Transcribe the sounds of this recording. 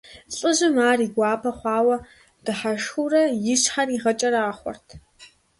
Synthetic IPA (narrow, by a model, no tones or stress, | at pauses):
ɬʼɨʑɪmaːriːɡʷɑːpʰɐχʷɑːwɐ | d̥ɨħaʂxurɐjɪɕħaniːʁɐt͡ʃʼɐɾaːχʷɔ̰rtʰ